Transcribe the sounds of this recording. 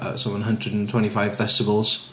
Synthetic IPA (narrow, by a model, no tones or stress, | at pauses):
ə̰sə̃mə̃nɦʌ̃ndɹədn̩tʰɛ̃ntifaɪvvɛstɪbəlˠz̥